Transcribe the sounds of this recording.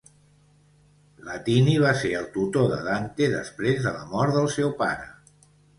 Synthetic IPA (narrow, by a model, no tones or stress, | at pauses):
lət̪iniβ̞aseɾəlˠt̪ut̪oðə̰ðant̪eðə̰spɾezðələ̰mɔɾt̪ðəlˠsɛwpaɾə